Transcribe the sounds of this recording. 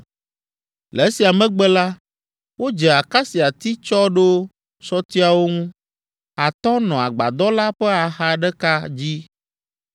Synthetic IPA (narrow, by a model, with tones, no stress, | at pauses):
le˨˦si˨a˨mɛ̃˦ɡ͡bɛ˦la˦ | wo˦d͡ʒɛ˨a˨ka˦si˨a˨t̪i˦t͡ʃɔ˦ɖo˦ | sɔ˦t̪i˦a˨wo˦ŋũ˦ | a˨t̪ɔ˦nɔ̃˨a˨ɡ͡ba̰˨d̪ɔ˦la˦ɸɛ˦a˨ɦa˦ɖɛ˦ka˦d͡ʑi˦